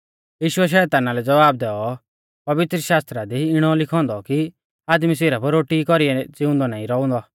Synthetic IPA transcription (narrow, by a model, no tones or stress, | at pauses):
jiːʃʊɛʃ̬ɛːt̪aːnalɛd͡zɐʋaːb̚d̪ɛːɔ | pɐʋɪt̪ɾəʃaːst̪ɾad̪iɪɽ̃ɔlɪkʰɔ̃ːnd̪ɔki | aːd̪miseːɾapɔɾoːʈikɔɾiɛd͡zɪʊ̃nd̪ɔnaːĩɾɔʊ̃nd̪ɔ